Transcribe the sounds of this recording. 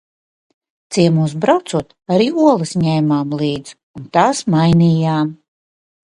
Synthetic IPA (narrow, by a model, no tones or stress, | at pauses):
t̪siɛmus̬bɾawt̪suɔt̪aɾiːuɔlˠɨsɲɛjmaːmlˠiːd̪z | unt̪aːsmajniːjaːm